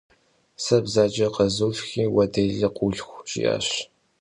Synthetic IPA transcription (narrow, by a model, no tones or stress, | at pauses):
sɐbzaːd͡ʒɐqɐzuːfxiːwɐdɐɮɐqʷuɮxʷɕʼḭja̰ːɕ